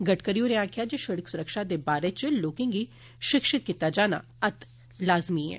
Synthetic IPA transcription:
ɡəʈkəɾijõneãːkʰjad͡ʒeʃəɽəksʊɾəkʃad̪eːbaːɾet͡ʃəloːkẽŋɡi | ʃɪkʃɪt̪̚kit̪ːad͡ʒaːna̰ | ɐt̪ | laːzmiɦɛ̰ː

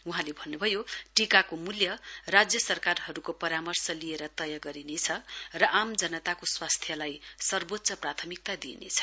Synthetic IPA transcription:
uɦãlebʱʌnːubʱʌjoʈikakomuljʌrad͡zjʌsʌrkarɦʌɾukopʌɾamʌrsʌlieɾʌt̪ʌjaɡʌɾinet͡sʰʌrʌʔamd͡zʌnʌt̪akoswast̪ʰjʌlajsʌrbot̪ːsʌprat̪ʰʌmik̚t̪ad̪ḭnḛt͡sʰʌ̥

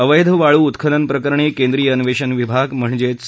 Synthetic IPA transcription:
əʋəjd̪ʱəʋaɭuːt̪kʰələnpɾəkəɾɳ̃iːkẽnd̪ɾiːjəənʋeɕənʋibʱaɡm̤əɳd͡ʑet͡s

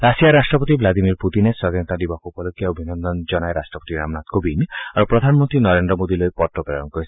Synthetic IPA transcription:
ɾasijaɾasʈɾɔpɔt̪iblad̪imiɾput̪inesɔd̪inɔt̪ad̪ibakuupɔlokːiaobʱinɔnd̪ɔnd͡ʒɔnaeɾasʈɾɔpot̪iɾa̰mnat̪kobinaɾupɾɔd̪ʱanmɔnt̪ɾinɔɾend̪ɾɔmod̪ilojpɔʈːɔpɾeɾɔnkɔɾis

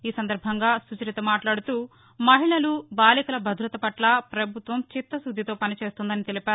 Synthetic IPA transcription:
iːsɐnd̪ɐɾbʱɐŋɡaːsut͡ʃɐɾit̪ɐmaːʈlaːɽut̪uː | mɐɦiɭɐlubaːlikɐlɐbʱɐd̪ʱɾɐt̪ɐpɐʈlɐpɾɐbʱut̪ʋɐmt͡ʃit̪ːɐsud̪ʱːit̪o̞ːpɐnit͡ʃe̞ːst̪und̪ɐnit̪e̞lipaːu

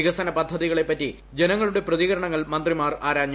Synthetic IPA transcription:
iɣɐsɐnɐpɐd̪ʱːɐðiɣɐɭe̞pːɐtːi | d͡ʑe̞nɐŋːɐɭuɽe̞prɐðiɣɐɾɐɳɐŋːɐɭmɐnd̪rimaːraːɾaːɲ

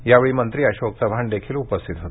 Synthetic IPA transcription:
jaʋeɭiːmənt̪ɾiːəɕoksəbʱaɳd̪ekʰiːlupəst̪ʰit̪ɦot̪

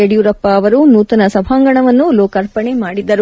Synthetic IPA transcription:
eɽijuɾɐpːɐːʋɐɾunuːt̪ɐnɐsɐbʱaːŋɡɐɳɐʋɐnːuloːkɐɾpɐɳemaːɽid̪ːɐɾu

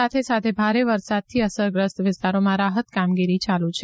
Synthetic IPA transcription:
at̪ʰesat̪ʰebʱaɾeʋəɾsad̪̚t̪ʰiəsəɾɡɾəst̪ʋɪst̪aɾomãɾaɦət̪kamɡiɾit͡ʃalut͡ʃʰe

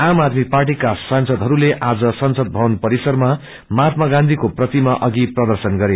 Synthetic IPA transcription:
amad̪miparʈikasansʌd̪ʱɦʌɾuleʔad͡zʌsʌnsʌd̪̚bʱʌwʌnpʌɾisʌrma | mat̪maɡãnd̪ʱikoprʌt̪imaʔʌɡiprʌd̪ʌrsʌnɡʌɾe

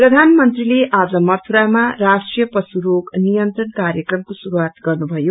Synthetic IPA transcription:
prʌd̪ʱanmʌnt̪rileʔad͡zʌmʌrt̪ʰuɾamarasʈrijʌpʌsuɾoɡnijʌnt̪rʌnkaɾjʌkrʌmkosuɾuwat̪ɡʌrnubʱʌjo

